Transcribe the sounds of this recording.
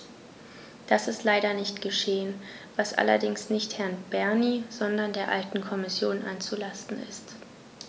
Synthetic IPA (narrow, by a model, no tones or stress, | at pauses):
d̥asɪstlaɪɾɐnɪçtɡ̥əʃeːən | v̥asʔa̰lɐ̰dɪŋsnɪçthɛɐnb̥ɛɐniːz̥ɔndɐndeːɐʔa̰ltn̩kʰɔmɪsjoːnʔa̰nt͡sulastn̩ɪ̰st